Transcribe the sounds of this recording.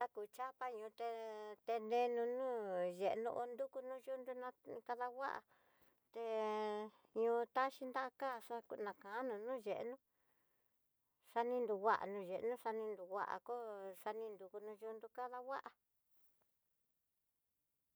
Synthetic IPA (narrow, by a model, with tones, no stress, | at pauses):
a˦ku˨t͡ʃa˦pa˦ɲũː˨˧t̪e˧t̪e˧nẽ˧˦nũ˧nũː˦ʒe˨ʔnṵ̃˧ʔo˧nd̪u˦ku˧nũ˦ʒu˦˧nd̪u˦nã˧ka˧ða˧wa̰˦ʔa̰˧˨ | t̪e˧ | ɲũː˧t̪a˦ʃi˦nd̪a˦˧ka˦˨ʂa˧ku˧nã˨kã˨ʔa˦nũ˧nũː˦ʒe˨ʔḛ˧˦nũ˦ | ʂa˧nĩ˦˧nd̪u˧wa̰˦ʔa̰˨nũ˧ʒe˨ʔnũ˦ʂa˧nĩ˧nd̪u˨˧wa̰˦ʔa̰˨ko˦ʂa˧nĩ˧nd̪u˧ku˧nũ˧ʒu˧nd̪u˧ka˦ða˦˧wa˦ʔa˧